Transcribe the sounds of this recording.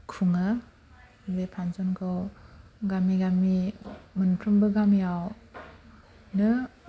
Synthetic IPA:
kʰuŋɯ | zepʰanzɔnkʰɯwɡamiɡamimɯnpʰɾɯmbɯɡamijaw | nɯ

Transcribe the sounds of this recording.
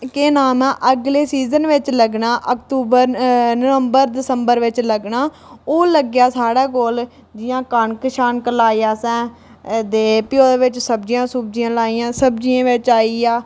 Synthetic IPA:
keːnaːmɛ̃ːʔəɡleːsiːzənʋɪt͡ʃləɡnaːʔəkt̪uːbəɾnəʋəmbəɾd̪ɪsəmbəɾʋɪt͡ʃləɡnaː | oːləɡjaːsaːɽaːkoːl | d͡ʒɪjãːkəɳkɪʃaːnkəlaːiaːsɛ̃ː | d̪eːpɪjoːd̪eːʋɪt͡ʃsəbd͡ʒijãːsuːb̚d͡ʒiːãːlaːiːãːsəbd͡ʒiãːʋɪt͡ʃaːiːaː

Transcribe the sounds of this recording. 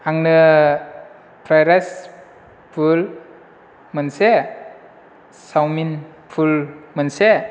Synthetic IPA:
aŋnɯ | pʰɾajɾas | pʰul | mɯnse | sawminpʰulmənse

